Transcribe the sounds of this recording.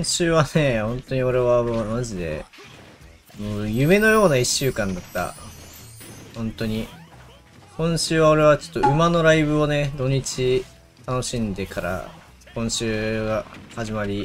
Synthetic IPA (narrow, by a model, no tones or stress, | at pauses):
kõɕɨːβane̞hõ̞nt̪o̞ɲ̟io̞ɾe̞βamoːnaʑid̪e̞̰ | moːjɯ̟me̞no̞jo̞ːnaiɕːɨːkãnd̪at̪ːa̰ | hõ̞nt̪o̞ɲ̟i | kõ̞ɰ̃ɕɨːβao̞ɾe̞β̞at͡ɕo̥t̪ːoɯ̟mano̞ɾaibɯ̟o̞ne̞d̪o̞ɲ̟it͡ɕi | t̪ano̞ɕĩnd̪e̞kʰaɾa̰ | kõ̞ɰ̃ɕɨːɡahaʑimaɾʲi